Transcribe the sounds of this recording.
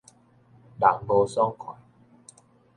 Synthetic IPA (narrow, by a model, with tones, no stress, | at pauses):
la˨˦ŋɡo˧sɔ˦ŋkʰwã̰˨˩˦